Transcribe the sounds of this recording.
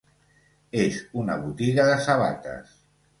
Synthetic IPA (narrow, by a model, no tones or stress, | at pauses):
ezunə̰β̞ut̪iɣəðəsəβa̰t̪ə̰s